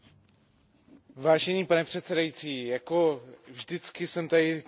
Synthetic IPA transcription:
vaːʒɛniːpanɛpr̝̥ɛt̪sɛdajit͡siːjako̞vʒdɪt͡skɪsɛmt̪adɪ

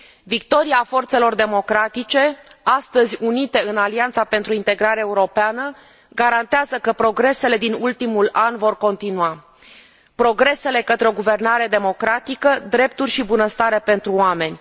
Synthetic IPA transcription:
vik̚t̪o̞ɾiafo̞rt̪se̞lo̞rd̪e̞mo̞kɾat̪it͡ʃe̞ast̪əzʲunit̪e̞ɨnaliant̪sape̞nt̪ɾuint̪e̞ɡɾaɾeaeuɾo̞peanə | ɡaɾant̪eazəkəpɾo̞ɡɾe̞se̞le̞d̪inult̪imulanvo̞rko̞nt̪inua | pɾo̞ɡɾe̞se̞le̞kət̪ɾeo̞ɡuve̞rnaɾe̞d̪e̞mo̞kɾat̪ikəd̪ɾe̞p̚t̪urʲʃibunəst̪aɾe̞pe̞nt̪ɾuoame̞nʲ

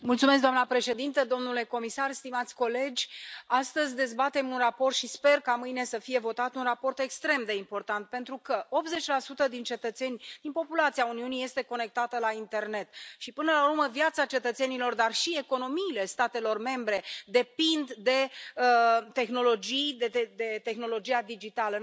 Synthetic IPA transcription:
mult̪sumes̬kd̪oamnəpɾe̞ʃe̞d̪int̪əd̪o̞mnule̞ko̞misarst̪imat̪sʲko̞le̞d͡ʒʲast̪əzʲd̪e̞zbat̪e̞munraport̪ʃispe̞rkamɨjne̞səfije̞vo̞t̪at̪unrapo̞rt̪e̞kst̪ɾe̞md̪e̞impo̞rt̪ant̪̚pe̞nt̪ɾukəo̞pze̞t͡ʃʲlasut̪əd̪int͡ʃe̞t̪ət̪se̞nʲd̪̥inpo̞pulat̪siauniunije̞st̪e̞ko̞ne̞k̚t̪at̪əlaint̪e̞rne̞t̪ʃipɨnəlaurməvjat̪sat͡ʃe̞t̪ət̪se̞nilo̞rd̪arʃie̞ko̞no̞miːle̞st̪at̪e̞lo̞rme̞mbɾe̞d̪e̞pind̪ːe̞ | t̪e̞xno̞lo̞d͡ʒijd̪eed̪e̞t̪e̞xno̞lo̞d͡ʒijad̪id͡ʒit̪alə

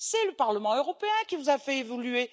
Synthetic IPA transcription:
sɛləpaʁləmɑ̃øʁɔpeɛ̃kʲivuzafɛevɔlye

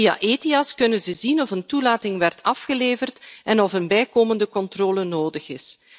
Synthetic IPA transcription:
ia̰ʔeːtiɑskɵnənzəzinɔfəntulaːtɪŋʋɛrtʰɑfxəleːvərtɛnɔfənbɛjkoːməndəkɔntroːlənoːdəxɪs

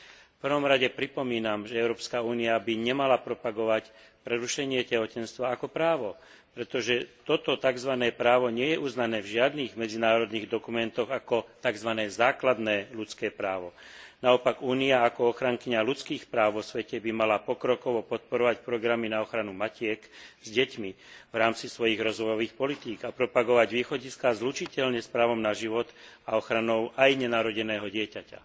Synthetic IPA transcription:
fpr̩ʋɔmɾaɟɛpɾipɔmiːnamʒɛɛʊɾɔːpskauːniabiɲɛmalapɾɔpaɡɔʋacpɾɛɾuʃɛɲɪɛcɛɦɔcɛnst̪ʋaːkɔpɾaːʋɔ | pɾɛt̪ɔʒɛt̪ɔt̪ɔt̪aɡzʋanɛːpɾaːʋɔɲɪɛjɛʔuznanɛːvʒɪad̪niɣmɛd͡zinaːɾɔd̪niːɣd̪ɔkumɛnt̪ɔɣakɔt̪aɡzʋanɛːzaːklad̪nɛːlut͡skɛːpɾaːʋɔnaɔpaɡuːniaːkɔɔxɾaŋkiɲalut͡skiːxpɾaːʊʋɔsʋɛcɛbimalapɔkɾɔkɔʋɔpɔt̪̚pɔɾɔʋacpɾɔɡɾaminaɔxɾanumacɪɛkz̥ɟɛcmi | vɾaːmt͡sisʋɔjiɣɾɔzʋɔjɔʋiːxpɔlit̪iːɡapɾɔpaɡɔʋaɟʋiːxɔɟiskazlut͡ʃicɛʎɲɛspɾaːʋɔmnaʒiʋɔt̪aɔxɾanɔʊʔajɲɛnaːɾɔɟɛnɛːɦɔɟɪɛcaca̰

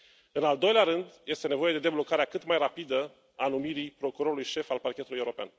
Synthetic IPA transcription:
ɨnald̪o̞jleaɾɨnd̪je̞st̪e̞ne̞vo̞je̞d̪e̞d̪e̞blo̞kaɾeakɨt̪majrapid̪ə | anumiɾipɾo̞kuɾo̞ɾulujʃe̞falparkʲet̪uluje̞uɾopea̰n

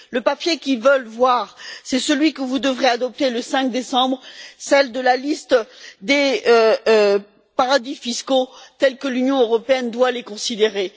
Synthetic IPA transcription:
ləpapjekʲilvəlvwaʁsɛsəlɥikəvud̪əvʁead̪ɔp̚t̪eləsɛ̃k̚d̪esɑ̃bʁsɛld̪əlalist̪d̪e | paʁad̪ifiskot̪ɛlkəlynjɔ̃øʁɔpeɛnd̪walekɔ̃sid̪eʁe

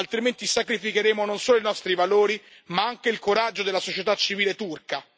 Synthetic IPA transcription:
alt̪ɾiment̪isakɾifikeɾeːmononsoːloinɔst̪ɾivaloːɾi | maaŋk̟eilkoɾad͡ʒːod̪elasot͡ʃet̪at͡ʃːiviːlet̪urka

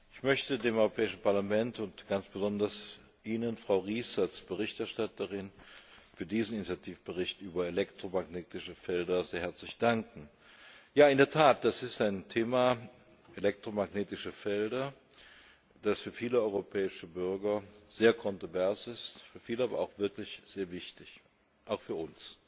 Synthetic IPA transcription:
ɪçmœçtədeːmɔʏʁopʰɛːɪʃn̩paɐlamɛntʊntɡ̥ansb̥əzɔndɐs | ʔiːnənfʁ̥aʊʁiːsalsb̥əʁɪçtɛɐʃtatəʁɪnfyːɐdiːzn̩ɪnit͡sjatʰiːfb̥əʁɪçtʔyːbɐelɛktʁ̥omaɡneːtɪʃəfɛldɐzeːɐɦɛɐt͡slɪçd̥aŋkŋ̩ | jaːɪndeɐtʰaːt̚d̥asɪstaɪntʰeːma | ʔelɛk̚tʁ̥omaɡneːtɪʃəfɛldɐ | d̥asfyːɐfiːləɔʏʁopʰɛːɪʃəbʏɐɡɐz̥eːɐkʰɔntʁ̥ovɛɐsɪstfyːɐfiːləʔaːbɐ̰ʔa̰ʊxv̥ɪɐklɪçz̥eːɐvɪçtɪç | ʔaʊxfyːɐʊns

